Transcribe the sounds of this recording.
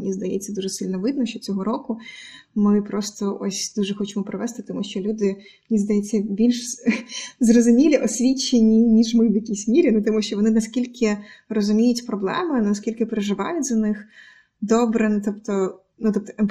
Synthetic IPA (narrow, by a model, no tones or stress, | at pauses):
nʲizd̪ɐjɛ̰t͡sʲːɐd̪uʐɛsɪlʲnɔʋɪd̪̚nɔʃt͡ʃɔt͡sʲɔɦɔɾɔkʊmɪpɾɔst̪ɔʔɔ̰sʲd̪uʐɛxɔt͡ʃemɔpɾɪʋɛst̪ɪt̪ɔmuʃt͡ʃɔlʲud̪ɪ | mnʲizd̪ɐjɛt͡sʲːɐbʲilʲʃ | zrɔzʊmʲilʲiʔɔsʲʋʲit͡ʃːenʲinʲiʒmɪʋjɐkʲisʲmʲiɾʲinut̪ɔmuʃt͡ʃɔʋɔnɪnɐskʲilʲkɪrɔzʊmʲijʊtʲpɾɔblˠɛ̰mɪnɐskʲilʲkɪpeɾɪʒɪʋɑ̰jʊtʲzɐnɪx | d̪ɔbɾɪnt̪ɔpt̪ɔ | nut̪ɔp̚t̪ɔ̥ɛ